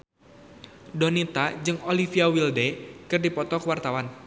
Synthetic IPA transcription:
donit̪ad͡ʒɨŋolifiawildɛkɨrdipɔt̪ɔkəwart̪awan

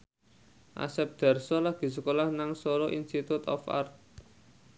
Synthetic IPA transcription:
ʔa̰sɛp̚d̪̥a̤rsɔlaɡ̥i̤səkolahnaŋsoɾɔʔinst̪it̪ut̪ɔ̰fa̰rt̪̚

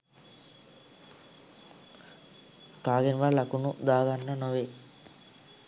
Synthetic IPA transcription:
kaːɡenʋalakunud̪aːɡanːənoʋeː

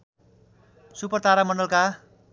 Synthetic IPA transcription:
supʌrt̪aɾamʌnɖʌlka

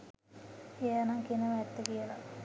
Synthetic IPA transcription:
ejanaŋkinəməːt̪ːəkijəla

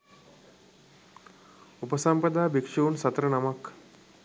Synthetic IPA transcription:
upəsampəd̪aːbikʂuːnsɐt̪ɾənamak

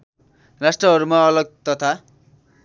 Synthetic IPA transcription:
rasʈrʌɦʌɾumaʌlʌɡ̚t̪ʌt̪ʰa

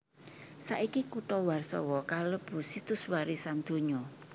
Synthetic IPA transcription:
sa̰ʔikikuʈɔwarsɔ̰wɔkaləb̥ṳsit̪ʊswaɾisand̪̥o̤ɲɔ

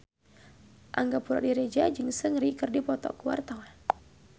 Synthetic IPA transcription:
ʔa̰ŋɡapuɾɔ̰ʔdiɾed͡ʒad͡ʒɨŋsəŋɾikɨrdipɔt̪ɔ̰kuwa̰rt̪awa

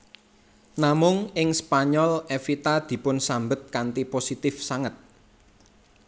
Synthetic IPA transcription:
namʊŋɪŋspaɲɔlefit̪ad̪̥i̤pʊnsambət̪̚kant̪iposit̪ɪfsaŋət̪̚

